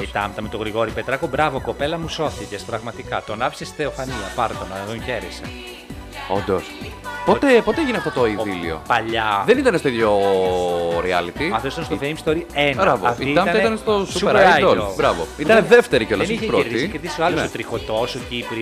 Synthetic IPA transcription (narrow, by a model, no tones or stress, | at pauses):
it̪ɐmt̪ɐmet̪oɣɾiɣo̞ɾipe̞t̪ɾɐkobɾɐvoko̞pe̞lɐmuso̞θicespɾɐɣmɐt̪ikɐt̪onɐpi̥sesi̥θeofɐniɐpɐɾt̪onɐðoçe̞ɾese | o̰nd̪ospot̪epot̪eeʝineɐft̪ot̪oivilḭo̞̰pɐʎɐðenit̪ɐnest̪oiðjo | ɾiɐlit̪iɐft̪osit̪ɐnst̪ofejmst̪oɾienɾɐvoɐftiiiɐmɐnɐit̪ɐnest̪osueaaj̪olobɾɐvoit̪ɐneðeft̪eɾiceolɐesiçeɾoɾðiskeɾðisioɐlonst̪ot̪ɾixot̪osocipɾi